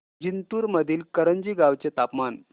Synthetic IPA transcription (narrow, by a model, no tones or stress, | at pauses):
d͡ʑint̪uːɾməd̪ʱiːlkəɾənd͡ʑiːɡaʋt͡set̪apman